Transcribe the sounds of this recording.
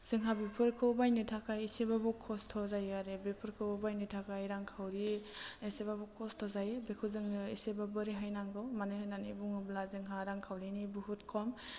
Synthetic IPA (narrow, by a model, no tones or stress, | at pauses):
z̥ɯŋɦabipʰɯɾkʰɯwbajnɯtʰakʰaisebabɔkʰːɔstʰɔzajaɾebepʰɯɾkʰɯbajnɯtʰakajɾaŋkʰawɾiisebabɔkʰɔstʰɔzajebekʰuzɯŋɯisebabɯɾiɦajnaŋɡɔmanɯnanḭbuŋɯblazɯŋɦaɾaŋkʰawɾinibuhutkʰɔm